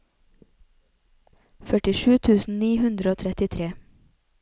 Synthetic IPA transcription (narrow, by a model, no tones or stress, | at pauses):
fœʈɪʃʉːt̪ʰʉːsn̩niːhʉnd̪ɾəoːt̪ʰɾɛt̪ɪt̪ʰɾeː